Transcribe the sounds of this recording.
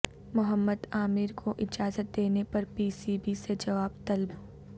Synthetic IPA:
mʊɦəmːəd̪aːmɪɾkʰoʔɪd͡ʒaːzət̪̚d̪eːnepɐɾpiːsiːbised͡ʒɐʋaːbt̪ɐlb

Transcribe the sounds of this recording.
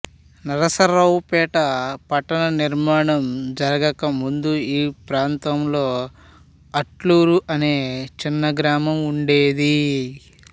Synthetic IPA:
nɐɾɐsɐɾɐwpɛːʈɐpɐʈːɐnɐniɾmaːɳɐmd͡ʒɐɾɐɡɐkɐmund̪uiːpɾaːnt̪ɐmlo̞ː | ɐʈluːɾuʔɐne̞ːt͡ʃinːɐɡɾaːmɐmuɳɖeːd̪i

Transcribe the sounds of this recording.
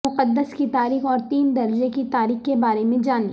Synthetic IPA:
ʊqəd̪ːəskit̪aːɾiːxɔːɾt̪iːnd̪ɐɾd͡ʒekit̪aːɾiːxkebaːɾemẽd͡ʒaːni

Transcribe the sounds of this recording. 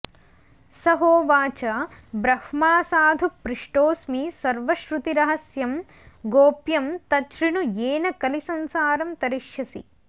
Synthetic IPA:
sɐɦoːʋaːt͡ʃɐbɾɐhmaːsaːd̪ʱupɾiʂʈoːsmisɐɾʋɐʃɾut̪iɾɐɦɐsjɐm | ɡoːpjɐmt̪ɐʃɾinujeːnɐkɐlisɐnsaːɾɐmt̪ɐɾiʃjɐsḭ

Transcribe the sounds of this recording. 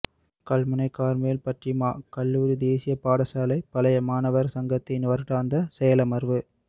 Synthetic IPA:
kɐlmɐnɐɪkːaːɾmejːlpɐʈrɪmaːkɐlːuːɾid̪eːsɪjɐpaːɽɐsaːlɐɪpɐlɐjɐmaːnɐʋɐɾsɐŋɡɐt̪ːɪnɪʋɐɾʈːaːnd̪ɐsɛjɐlɐmɐɾʋɯ

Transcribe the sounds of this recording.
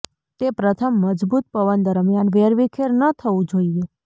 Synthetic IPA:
t̪epɾət̪ʰəmːəd͡ʒbut̪̚pəʋənd̪əɾmjanʋeɾʋikʰeɾnət̪ʰəʋũd͡ʒoie

